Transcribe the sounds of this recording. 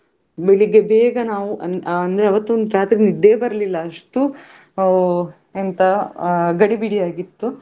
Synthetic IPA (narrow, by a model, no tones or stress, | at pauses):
beɭiɡebeːɡɐnaːʋuʔɐɐnd̪ɐɾeɐʋɐt̪ːuond̪uɾaːt̪ɾinid̪ːe̞ːbɐɾɐlilːɐːʂʈu | ent̪ɐɡɐɽibiɽijaːɡit̪ːu